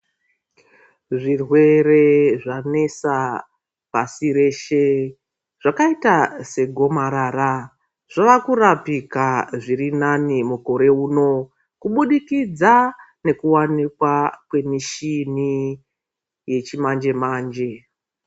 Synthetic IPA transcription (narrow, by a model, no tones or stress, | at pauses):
ʐirwe̞re̞ʐane̞sa | b̥asiɾe̞ːʃe̞ | ʐ̥akaitase̞ɡʱo̞maɾara | ʐ̥aʋakurapikaʐirinanimuko̞ɾe̞uːno̞ | kuɓuɗikid͡za | ne̞kuwanikwakwe̞miʃini | je̞t͡ʃimand͡ʒe̞maːnd͡ʒe̞